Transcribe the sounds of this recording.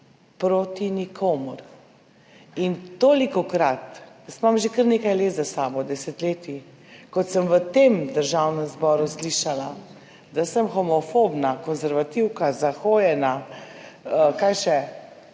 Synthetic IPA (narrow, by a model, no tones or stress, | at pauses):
pɾoːt̪inikʰoːmɔɾ | int̪oːlikɔkɾat̪jəst̪mamʒekəɾneːkajleːt̪zasaːbɔd̪ɛsɛt̪leːt̪i | kɔt̪səmʋət̪emd̪əɾʒawnɛmzbɔɾusliʃala | d̪asəmxɔmɔfobnakɔnzɛɾʋat̪iwkazaxoːjɛna | əkajʃɛ